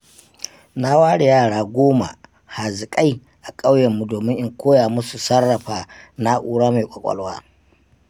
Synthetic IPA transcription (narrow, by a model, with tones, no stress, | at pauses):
na˦waː˦ɽe˨jaː˦˨ɽaː˦ɡʷoː˦ma̰˨ | ha˨zɪ˨kʼa˦j | ʔa˨kʼa˦wjɛ˨mːu˦doː˨mɪ˦ʔɪ˦ŋkʷoː˦jaː˨mʊ˦su˨sɐ˦rːɐ˨ɸaː˨na˦ʔuː˦ɽaː˦ma˨kʷʼɐ˨kʷʼɐ̰˦lwaː˦